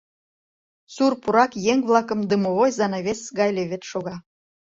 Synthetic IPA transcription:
surpuɾɑkjeŋβlˠɑkə̆md̪əmoβojzɑnɑβesɣɑjleβʲet̪ʃoɣɑ

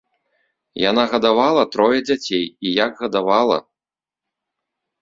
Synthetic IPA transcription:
janaɣɐd̪avalˠɐt̪ɾɔjɐd͡zʲat͡sʲejijaɡɣɐd̪avalˠɐ̰

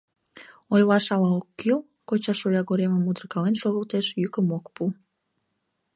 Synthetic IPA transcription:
ojlɑʃɑlɑokːil | kot͡ɕɑʃojɑɣoɾeməmud̪ərkɑlenʃoɣəlt̪eʃjykəmokpu

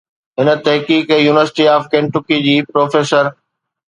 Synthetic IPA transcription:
ɦɪnə̆t̪ɐɦkiːkjuːnɪʋəɾsɪʈiaːfkẽːɳʈʊkid͡ʑiːpɾoːfeːsəɾ

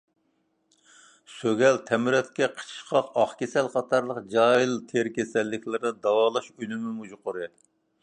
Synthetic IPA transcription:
søɡʲɛlt̪ʰɛmɨɾɛt̪kʲɛqʰə̥t͡ʃʰʃqʰɑqɑχkʲesɛlqɑt̪ʰɑɾlˠəqd͡ʒɑjilˠt̪ʰeɾkʲʰesɛlːɪkʲlɨɾɨd̪ɑwɑːlˠɑʃynɪmumud͡ʒʊqʰʊɾɨ

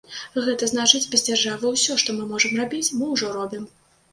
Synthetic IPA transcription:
ɣɛt̪ɐznat͡ʂɨt͡sʲbʲɛzd͡zʲarʐavɨwsʲɔʂt̪ɔmɨmɔʐɐmrabʲit͡sʲmɨwʐɔɾɔbʲim

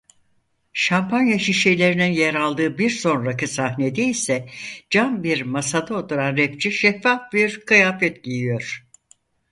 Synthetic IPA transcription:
ʃampʰanjaʃiʃejlʲe̞ɾininjeɾalˠd̪ɯːbiɾso̞nɾacɯsahne̞d̪iisɛd͡ʒanbiɾmasad̪aot̪ʰuɾanɾɛp̚t͡ʃʰiʃɛfːafbiɾkɯjaːfɛt̪ɟijijo̞ɾ̥

